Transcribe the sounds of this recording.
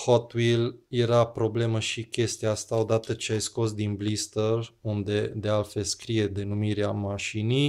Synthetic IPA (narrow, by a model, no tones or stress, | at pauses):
hot̪wilje̞ɾapɾo̞ble̞məʃikʲe̞st̪iaast̪ao̞d̪at̪ət͡ʃeajsko̞sd̪inblist̪ərund̪e̞d̪e̞alt̪fe̞lskɾije̞d̪e̞numiɾeamaʃinij